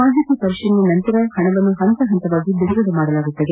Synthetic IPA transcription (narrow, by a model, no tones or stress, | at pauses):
aːɦit̪ɐpɐɾiʂɐnːunɐnt̪ɐɾɐhɐɳɐʋɐnːuɦɐnt̪ɐɦɐnt̪ɐʋaːɡid̪uɾɐɡɐd̪ɐmaːɽɐlaːɡut̪ːɐd̪e